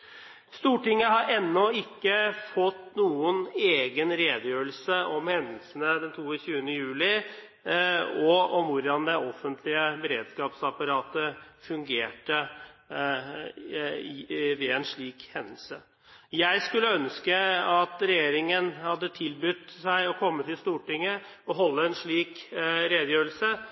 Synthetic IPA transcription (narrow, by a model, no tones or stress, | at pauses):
st̪uːʈɪŋːəɦɑɾʔɛnːɔɪkːəfɔt̪ːnuːəneːɡənɾeːd̪əjøːəlsəʔɔmhɛnːəlsənəd̪ɛnt̪ʰuːəçʉːənəjʉːlɪ | ɔɔmʋʊɾɖɑnd̪ɛɔfənt̪ʰlɪəbəɾeːd̪skɑːpsɑpɑɾɑːt̪əfʉŋɡeːʈə | ʋɛɛnʂɭiːkhɛnːəl̩sə | jæɪskʉlːəœnskəɑt̪ɾɛjeːɾɪŋənhɑd̪ːət̪ʰɪlbʏt̪sæɪɔkʰɔmːət̪ʰɪlst̪uːʈɪŋːə | ɔɦɔlːəɛnʂɭiːkɾeːd̪əjøːɾəlsə